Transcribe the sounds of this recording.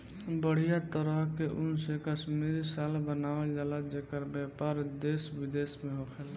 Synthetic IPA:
bəɽ̤ijat̪əɾəɦkeʔʊnsekasmeɾisaːlbənaːʋed͡ʒalad͡ʒekəɾbjaːpaːɾd̪eːswɪd̪eːsmẽɦokʰel

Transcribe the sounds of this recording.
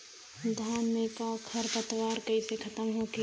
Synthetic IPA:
d̪ʱaːnmekakʰɐɾp̪ət̪ʋaːɾkɐisekʰɐt̪əmɦoki

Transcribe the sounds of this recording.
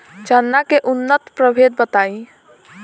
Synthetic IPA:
t͡ʃənːakeʔunːət̪pɾəbʱed̪̚bət̪ai

